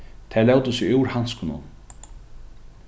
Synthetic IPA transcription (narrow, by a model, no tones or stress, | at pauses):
t̪ʰɛlɛwt̪ʊsɪuwɾhanskʊnʊ̰n